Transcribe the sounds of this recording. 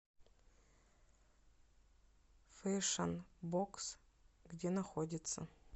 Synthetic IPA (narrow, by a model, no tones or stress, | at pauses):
fejʂɐnboks | ɡdʲenaxodʲɪt̪sʰɐ̰